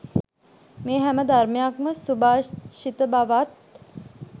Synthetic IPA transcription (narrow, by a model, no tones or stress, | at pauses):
meːɦæməd̪armejakməsubaːʃit̪əbaʋat̪̚